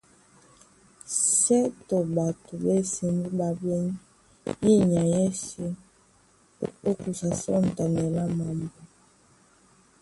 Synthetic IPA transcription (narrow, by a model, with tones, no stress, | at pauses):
sɛ˦to˨ba˨tu˨bɛ˦si˨mbu˦ba˨bɛ˦ɲi˦ | ji˦ɲa˨jɛ˦si˦ | o˦ku˨sa˨sɔ̰˦˨n˨ta˨nɛ˨la˦ma˨mbu˨